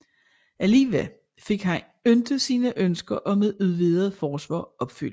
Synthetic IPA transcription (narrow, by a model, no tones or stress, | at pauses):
ʔæliːʋe | fe̝ɡ̥ɦæn | ønd̥əsiːnəʔønsɡ̥ɐʔɒ̽meðˠuðˠʋiðˠɐð̩ˠfɒːsʋɑ̰̈ːɒ̽b̥fyl̰